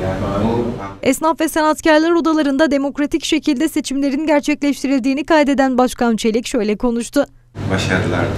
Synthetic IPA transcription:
ɛsnafvɛsɛnat̪caɾlˠaɾo̞d̪alˠaɾɯnd̪ad̪e̞mo̞kɾat̪ʰicʃe̞cʰilʲd̪ɛse̞t͡ʃʰimlʲe̞ɾinɟæɾt͡ʃʰɛclʲɛʃt̪ʰiɾilʲd̪iːnikajd̪e̞d̪ænbaʃkant͡ʃʰe̞lʲicʃø̞jlʲɛkʰo̞nuʃt̪ʰʊ | baʃaɾɯlˠa̰ɾ

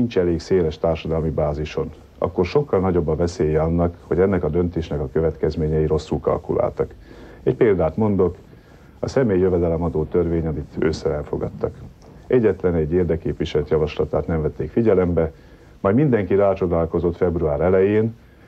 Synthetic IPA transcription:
nint͡ʃɛleːkseːlɛʃt̪aːrʃɒd̪ɒlmibaːziʃo̞n | ɒ̰kːo̞rʃo̞kːɒlnɒɟo̞bːɒvɛseːjɛɒnːɒkho̞ɟɛnːɛkɒd̪ø̞nt̪eːʃnɛkɒkøvɛt̪kɛzmeːɲɛiɾo̞sːulkɒ̰lkṵla̰ːlt̪ɒk | ɛcpeːld̪aːt̪mo̞nd̪o̞k | ɒsɛmeːjːjøvɛd̪ɛlɛmɒd̪oːt̪ørveːɲɒmit̪ø̰ːsɛɛlfo̞̰ɡɒ̰t̪ːɒk | ʔɛɟːɛt̪lɛnɛɟːeːrd̪ɛkːeːpviʃɛlt̪jɒvɒʃlɒt̪a̰ːt̪nɛɱvɛt̪ːeːkfiɟɛlɛmbɛ | mɒjd̪mind̪ɛŋkiɾaːt͡ʃo̞d̪aːlko̞zo̞t̪fɛbɾuaːɾɛlɛjeːn

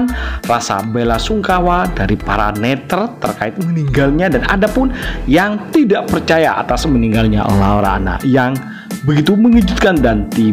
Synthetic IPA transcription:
nrasa̰belasuŋkawadaɾipaɾa̰nɛt̪ərt̪ərkaɪt̪̚məniŋɡalɲadana̰dapʊnjaŋt̪idaʔpərt͡ʃajaʔa̰t̪asməniŋɡalɲa̰ʔlawɾa̰na̰jaŋ | bəɡit̪uməŋid͡ʒut̪̚kandant̪i

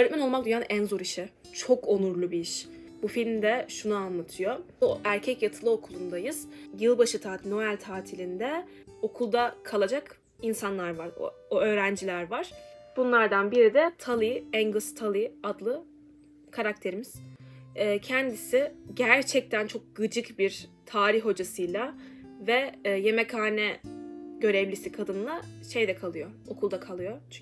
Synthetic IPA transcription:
øɾɛt̪̚ʲmæno̞lˠmakd̪ujanænzoɾiʃɛ | t͡ʃʰo̞kʰo̞nuɾlˠubiiʃ | b̥ufilʲmd̪ɛʃunaanlˠat̪ʰɯjo | ʔæɾcʰɛcjat̪ʰɯlˠɯo̞kʰulˠund̪ajɯz̥jɯlˠbaʃɯt̪ʰaːno̞ælʲt̪ʰaːt̪ʰilʲind̪ɛ | o̞kʰulˠd̪akʰalˠad͡ʒak | insanlˠaɾvaɾo̰ | oø̞ːɾænd͡ʒilʲæɾvaɾ̥b̥unlˠaɾd̪anbiɾid̪ɛt̪ʰalˠɯjɛŋɡɯst̪ʰalˠɯad̪lˠɯ | kʰaɾak̚t̪ʰe̞ɾimiz̥ɛːcʰɛnd̪isiɟæɾt͡ʃʰɛc̚t̪ʰænt͡ʃʰo̞k̚ɡ̥ɯd͡ʒɯkbiɾt̪ʰaːɾiçɦo̞d͡ʒasɯjlˠavɛːje̞mɛkʰaːnɛɟ̥ø̞ɾɛvlʲisikʰad̪ɯnɯlˠaʃe̞jd̪ɛkʰalˠɯjo̞okʰulˠd̪akʰalˠɯjo̞

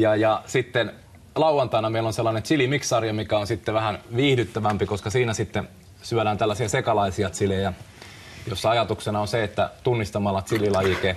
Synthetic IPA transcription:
jɑjɑsit̪ːen | lɑuwɑnt̪ɑinɑmeilːonselːɑnent̪silimiksɑrjɑmikæonsit̪ːeʋæhænʋiːhdyt̪ːæʋæmpikoskɑsiːnæsit̪ːe | syæɾæːnt̪ælːæsiɑsekɑlɑisiɑt̪silejæ | josːɑɑjɑt̪uksenɑonseet̪ːæ̰t̪unːist̪ɑmɑlːɑt̪sililɑjike

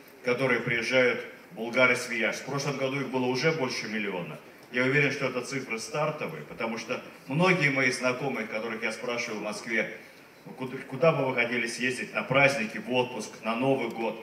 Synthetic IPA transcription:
kɐt̪o̞ɾɨjəpɾʲɪjɪʐːajʊt̪ | bʊlˠɡaɾɨsʲvʲɪjaʂfpɾo̞ʂlˠəmɡɐd̪uixbɨlˠəʊʐɛbo̞lʲʂɨmʲɪlʲɪo̞nə | jaʊvʲeɾʲɪnʂt̪oɛt̪ət̪sɨfɾɨst̪art̪əvɨ̰pət̪ɐmuʂt̪omno̞ɡʲɪjəmɐiznɐko̞mɨjəkɐt̪o̞ɾɨxjaspɾaʂɨvəlˠvmɐskvʲe̞ | ʊkʊd̪abɨvɨxɐtʲelʲɪsʲjezʲdʲɪtʲnɐpɾazʲnʲɪkʲɪvo̞t̪̚pʊsknɐno̞vɨjɡo̞t̪

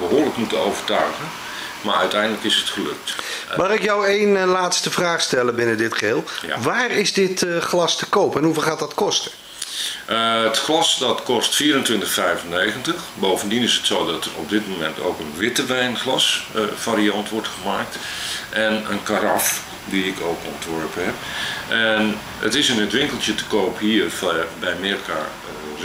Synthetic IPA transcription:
bəɦoːrləkmutəowvərtœɥɣən | maɹœɥtɛjndələkɪsətχəlɵ̰k̚tmaːrɪkjɔwejnlaːtstəvraːχstɛləbɪnədɪtχəɦɪːlˠʋaːrɪzdɪtəχlɑstəkowpəɛnɦuvlχaːt̚dɑtkɔstə | ʔəətχlɑsdɑtkɔstfiːɾəntʋɪntəxfɛjvənejɣəntəxboːvəndinɪsətsoːdɑtərɔ̰b̚dɪt̚momɛntʰo̰ːkənʋɪtəʋɛjnxlɑsfaːɾiɑntʋɔrtxəmaːk̚t | ʔɛnənkaɾɑf | diɪkʰoːkɔntʋɔɹpəɦɛpʔɛn | ə̰tɪsənətʋɪŋkəlˠtjətə̥koːphiːərfbɛjmɪrka̰

